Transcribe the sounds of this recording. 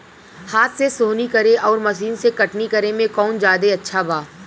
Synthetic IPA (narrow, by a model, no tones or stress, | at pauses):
haːt̪sesoːnikɐɾeʔɔːɾmɐʃiːnsekɐʈnikɐɾemẽkɔːnd͡ʒaːd̪eɐtːʃʰabʱaː